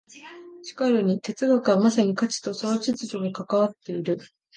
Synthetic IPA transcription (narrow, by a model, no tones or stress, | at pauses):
ɕi̥kaɾɯ̟ɲ̟it̪e̞t͡sɨɡakɯ̟βamasaɲ̟ikat͡ɕi̥t̪o̞so̞no̞t͡ɕit͡sɨʑo̞ɡakakaβ̞at̪ːe̞iɾɯ̟